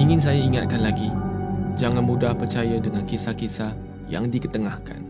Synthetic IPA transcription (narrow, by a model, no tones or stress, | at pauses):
iŋɪns̬ajaiŋat̪̚kanlaɡid͡ʒaŋãnmũdahpərt͡ʃajadəŋãnkisahkisa | ja̰ŋdikət̪əŋahka̰n